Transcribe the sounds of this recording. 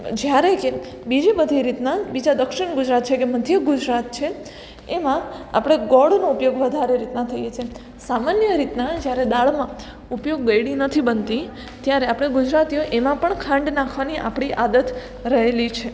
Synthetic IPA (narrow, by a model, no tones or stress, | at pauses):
d͡ʒjaɾeke | bid͡ʒibəd̪ʱiɾit̪nabid͡ʒad̪əkʃɪɳɡʊd͡ʒɾat̪̚t͡ʃʰekeməd̪ʱjəɡʊd͡ʒɾat̪̚t͡ʃʰe | emãa̰pɽ̃eɡɔɽnoupjoɡʋəd̪ʱaɾeɾit̪nat̪ʰəjet͡ʃʰe | samanjəɾit̪nad͡ʒjaɾed̪aɭmã | upjoɡːəjɽinət̪ʰibənt̪i | t̪jaɾeapɽ̃eɡʊd͡ʒɾat̪ijoʔemãpəɳkʰãɳɖnakʰʋaniʔa̰pɽ̃iʔad̪ət̪ | ɾəɦelit͡ʃʰe